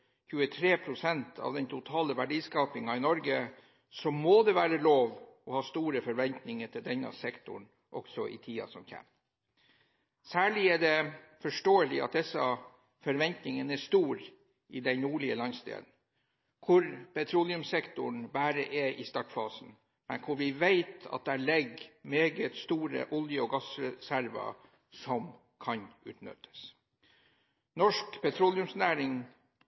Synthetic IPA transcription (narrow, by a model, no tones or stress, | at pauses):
çʉːət̪ʰɾeːpʰɾʊsɛnt̪ʰɑ̰ːʋd̪ɛnt̪ʰʊt̪ʰɑːləʋæɖiːskɑːpɪŋɑɪnɔɾɡə | sɔmːod̪ɛʋæːɾəloːʋɔhɑːst̪uːɾəfɔɾʋɛnt̪nɪŋəʈ̪ʰɪld̪ɛnɑ̰sɛkt̪ʊ̰ɳ | ʔɔksɔʔɪ̰t̪ʰiːɑ̰sɔmçɛ̰m | sæːɭɪæɖɛfɔʂʈoːəlɪɑ̰t̪̚d̪ɛsɑ | fɔɾʋɛnt̪nɪŋənæʂt̪uːɾ | ɪd̪ɛnuːɭɪəlɑnst̪ḛːd̪n̩ | kʰʊɾpɛt̪ʰɾulɪʉmsɛkt̪ʊɳbæːɾəʔɛʔɪst̪ɑʈfɑːsn̩ | mɛ̰nkʰʊɾʋɪʋeɪt̪ɑ̰t̪̚d̪æːɭɛɡmeːɡət̪st̪uːɾə̰ʔʊljəɔɡɑsɾɛsæɾʋɑ̰ | sɔm | kʰɑnʉ̰ːt̪nʏ̰t̪ʰə̥s | nɔʂkpʰɛt̪ʰɾɔljʉmsnæːɾɪŋ